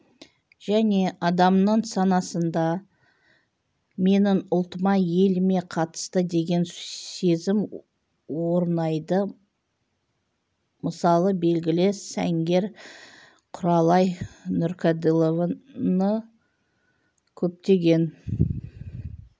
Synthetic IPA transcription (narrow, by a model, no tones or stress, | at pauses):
ʒ̥æne̞ʔɑd̪ɑmnəɴsɑnɑsənd̪ɑ | me̞nɪŋʊlˠt̪əmɑje̞lɪme̞qʰɑt̪ə̥st̪əd̪e̞ɡʲe̞nse̞zɪm | wo̞ɾnɑjd̪ə | məsɑlˠəbe̞lɡʲɪlɪsæ̰ŋɡʲe̞ɾ | qʰʊɾɑlˠɑjnʊɾkʲʰad̪ilˠovnə | kʲʰɵp̚t̪e̞ɡʲe̞n